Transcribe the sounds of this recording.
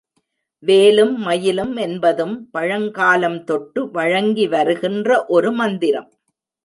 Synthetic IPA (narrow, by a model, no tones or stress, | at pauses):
ʋeːlɯmːɐjɪlɯmɛnbɐðɯmpɐɻɐŋɡaːlɐmt̪ɔʈːɯʋɐɻɐŋɡiʋɐɾɯɣɪndrɐʔɔɾɯmɐnd̪ɪɾɐ̰m